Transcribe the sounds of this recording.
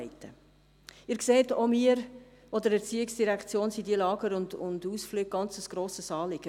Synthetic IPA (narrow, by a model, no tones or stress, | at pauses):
ɪtə | ɪːɾkseːtomiəɾ | ɔdəɾɛɾt͡siɪksd̥iɾækt͡sjoːnsidiəlɑːɡəɾʊndʊ̰nduːsflyːɡ̚ɡ̥ɑnt͡səsɡ̥ɾoːsəsɑːlɪɡ̥ə